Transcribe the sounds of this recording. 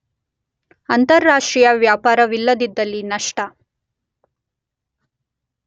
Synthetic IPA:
ɐnt̪ɐɾːaːʂʈɾijɐʋjaːpaːɾɐʋilːɐd̪id̪ːɐlːinɐʂʈɐ

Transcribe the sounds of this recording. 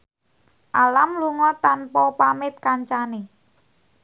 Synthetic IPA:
ʔalamluŋɔt̪anpɔpamɪt̪̚kaɲt͡ʃane

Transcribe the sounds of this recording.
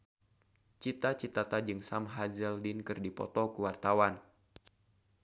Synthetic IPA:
t͡ʃit̪at͡ʃit̪at̪ad͡ʒɨŋsamɦazəldinkɨrdipɔ̰t̪ɔkuwart̪awan

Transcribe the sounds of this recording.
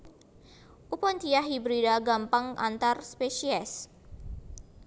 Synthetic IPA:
ʔupɔnt̪ijaɦibɾidaɡampaŋʔa̰nt̪arspeʃiɛs

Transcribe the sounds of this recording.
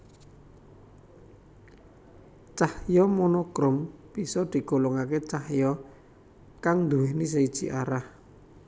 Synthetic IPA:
t͡ʃahjɔmɔnɔkɾɔmb̥isɔd̪̥i̤ɡ̥o̤lɔŋaket͡ʃahjɔ | kaŋnd̪uwehnis̬əid̥ʒ̥i̤ʔaɾah

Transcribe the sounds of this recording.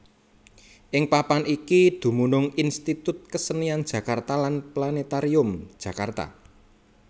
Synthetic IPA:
ʔɪŋpapanikid̪̥ṳmunʊŋinst̪it̪ʊt̪̚kəsəniand̥ʒ̥ä̤kart̪alanplanet̪aɾiʊm̥ʒ̥ä̤kart̪a̰

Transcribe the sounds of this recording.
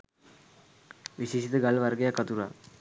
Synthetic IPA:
ʋiɕesit̪əɡalʋarɡəjakːat̪uɾa̰ː

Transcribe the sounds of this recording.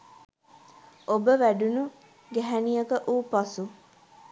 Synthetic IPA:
obəʋæɖunu | ɡæɦænijəkəʔuːpɐsu

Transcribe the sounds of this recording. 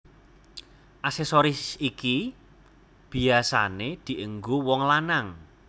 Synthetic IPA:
ʔasɛsoɾisiki | b̥i̤asa̰ned̪̥i̤ʔəŋɡowɔŋlanaŋ

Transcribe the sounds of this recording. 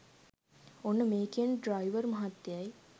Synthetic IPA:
onːəmeːkiənɖɾajʋəɾmɐɦat̪ːjaj

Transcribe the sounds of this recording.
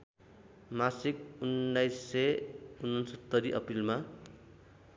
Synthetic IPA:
masikunːajsːeunːʌnsʌt̪ːʌɾiʔʌpilma

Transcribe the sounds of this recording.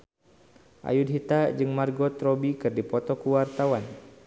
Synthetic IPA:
ʔa̰jud̚ɦit̪ad͡ʒɨŋmarɡɔt̪ɾɔbikɨrdipɔt̪ɔkuwart̪awan

